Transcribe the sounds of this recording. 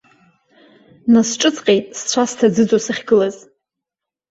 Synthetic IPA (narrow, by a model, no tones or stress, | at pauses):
nasʈ͡ʂʼɨt͡sʰʼqʲʼejtʼst͡ɕʷʰastʰad͡zɨd͡zosɨχʲɡɨlaz